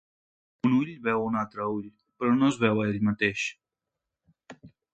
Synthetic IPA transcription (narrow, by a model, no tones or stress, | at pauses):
unuʎβɛwunalt̪ɾəuʎ | pɾɔnozβɛwaeʎmat̪eʃ